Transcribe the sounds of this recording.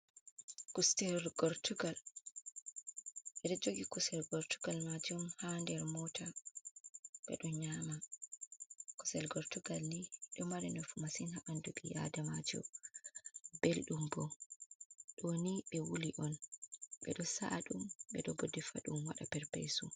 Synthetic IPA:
kustɛlɡɔɾtuɡal | ʔɛɗɔd͡ʒoɡikusɛlɡɔɾtuɡalmad͡ʒumhandɛɾmɔtʰa | ɓɛ̰ɗɔɲama | kɔ̥sɛlɡɔɾtuɡalniɗɔmaɾɛnɔfumasinhaʔanduɓija̰damad͡ʒɔ̰ | belɗumbɔ | ɗɔniɓɛwuliʔɔnɓɛ̰ɗɔsaʔaɗumɓɛɗɔbodifa̰ɗumwaɗapɛɾpḛjsu

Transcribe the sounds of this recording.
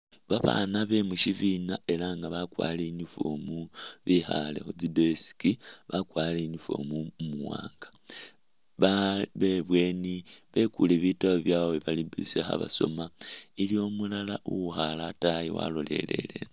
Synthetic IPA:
βaβa̰ːnaβe̞muʃivinae̞laŋɡaβakwa̰ːleɲufomuβixalḛxod͡zibesi̥kiβakwaːleɲufo̰mumuwaːŋɡḁ | ββeβwe̞ːniβe̞kuleβitaβjaweβalibisexa̰βaso̞̰mailio̞mulalaʔuwuxalatajiwa̰lo̞le̞̰le̞̰le̞̰

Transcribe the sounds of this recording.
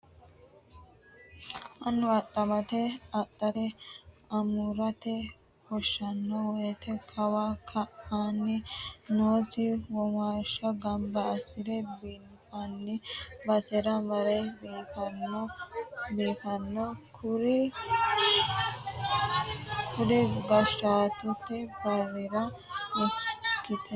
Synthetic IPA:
ʔɐnːʊɐt̪ʼːɐmɐt̪ɛɐt̪ʼːɐt̪ɛ | ɐmuɾɐt̪ɛ | hɔʃːɐnːɔwɔjɛt̪ʰɛkʰɐwakʰɐʔaːnːɪnoːsɪwɔmaːʃːɐɡɐmbɐːsɪɾɛbin | fɐnːɪbɐsɛɾɐmɐɾɛbiːfɐnːɔbiːfɐnːɔkʊɾɪ | kʰʊdɛɡɐʃɾaːt̪ʊt̪ːɛbɐɾɪɾɐ | ɛkːɪt̪ɛ

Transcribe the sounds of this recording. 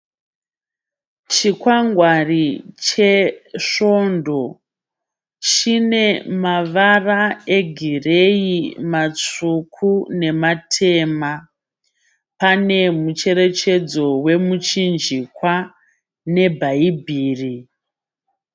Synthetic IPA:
t͡ʃikwaŋɡwarit͡ʃe̞ʂo̞ndo̞ | t͡ʃine̞maʋarae̞ɡʱirejimat͡sukʰune̞matʰe̞ːma | pane̞mut͡ʃe̞ɾe̞t͡ʃe̞d͡zo̞we̞mut͡ʃind͡ʒikwa | ne̞bʱaibʱiːri

